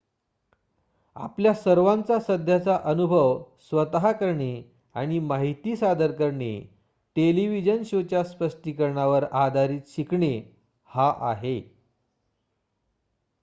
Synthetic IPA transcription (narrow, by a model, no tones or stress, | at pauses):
a̰pljasəɾʋãnt͡sasəd̪ʱjat͡saʔənubʱəʋsʋət̪ɦakəɾɳe | aɽ̃imaɦit̪iːsad̪əɾkəɾɳḛ | ʈeliʋid͡ʑənɕot͡ɕjaspəʂʈikəɾɳaʋəɾad̪ʱaɾiːt̪ɕikɳe | haʔaɦe